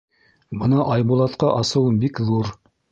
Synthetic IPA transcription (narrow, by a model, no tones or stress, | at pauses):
bɤnɑʔɑjbulˠɑt̪qɑʔɑsɤ̆wɤnbikðuɾ